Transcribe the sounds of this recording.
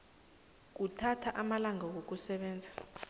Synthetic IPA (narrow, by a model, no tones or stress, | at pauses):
k̬utʰatʰaʔamalaŋawok̬ʼusɛɓɛːnd͡zʱḁ